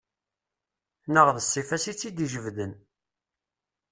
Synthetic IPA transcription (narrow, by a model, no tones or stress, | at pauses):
nəʁðəsːifæsit͡sːid̪iʒəvðən